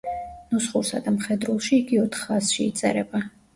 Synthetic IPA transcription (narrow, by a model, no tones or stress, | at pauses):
nusχuɾsa̰d̪amχɛd̪ɾulˠʃiːɡiɔt̪ʰχasʃiːt̪sʼɛ̰ɾɛba